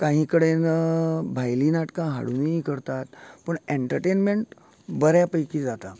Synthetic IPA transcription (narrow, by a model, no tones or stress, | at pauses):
kãɦĩkəɽenbʱajlinaʈkãɦa̰ɽuniikəɾt̪at̪pəɳeɳʈəɾʈenmeɳʈ | bəɾjapəjkiːd͡zat̪a